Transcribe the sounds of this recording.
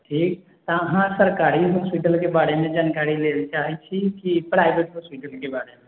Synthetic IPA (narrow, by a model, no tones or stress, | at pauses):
ʈʰiːk | t̪aɐɦãsəɾkaːɾiɦɔːspiʈəlkebaːɾemẽd͡ʒaːnkaːɾileːlit͡ʃaːɦit͡ʃʰikipɾaːɪbeːʈɦɔːspiʈəlkebaːɾemẽ